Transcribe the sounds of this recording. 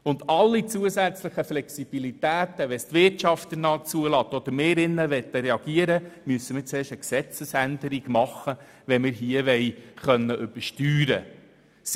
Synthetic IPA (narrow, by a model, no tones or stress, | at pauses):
ʊnd̪ɑlːit͡suəsæt͡sləχəflɛksib̥ilit̪æːt̪əʋɛst̪ʋɪrtt͡ʃɑft̪ənɑːt͡suəlɑːt̪ːɔd̥̪əɾmeːɾɪnːəʋɛt̪ːəɾɛɑɡiəɾəmyəsːəmɪɾt͡sɛːʃəksɛt͡səsænd̪əɾiɡ̥mɑχːə | ʋɛnmɪɾɦiəʋɛjχœnːəʔʏb̥əɾʃtyːɾə̰